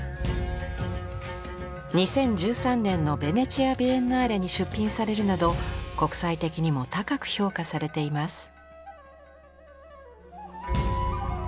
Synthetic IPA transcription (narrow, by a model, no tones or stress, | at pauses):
ɲ̟isẽ̞ɲ̟d͡ʑɨːsãnːẽ̞nːo̞be̞ne̞t͡ɕiabʲienɯaɾeɲ̟iɕɨpʲːĩɰ̃saɾe̞ɾɯ̟nad̪o̞ko̞kɯ̟̥sait̪e̞kʲiɲ̟imo̞t̪akakɯ̟̥ço̞ːkasaɾe̞t̪e̞imasɨ̥